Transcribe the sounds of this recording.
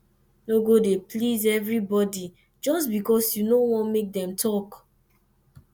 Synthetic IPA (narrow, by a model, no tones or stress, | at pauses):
noɡodeplizɛvɹibɔdi | d͡ʒɔsbikɔsjunowɔ̃nmek̚dɛ̃mtʰɔk